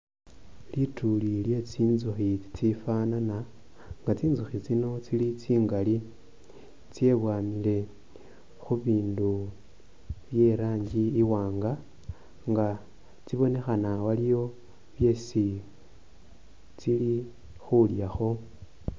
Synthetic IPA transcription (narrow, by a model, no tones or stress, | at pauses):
litulilje̞t͡siːnzuxit͡sifanana | ŋɡat͡siːnzuxit͡sino̞t͡silit͡siːŋɡali | t͡sje̞βwaːmile̞ | xuβiːndu | βje̞ɾaːɲɟiːwaːŋɡa | ŋɡa | t͡siβo̞ne̞xanawalijo̞ | βje̞si | t͡sili | xuljaxo̞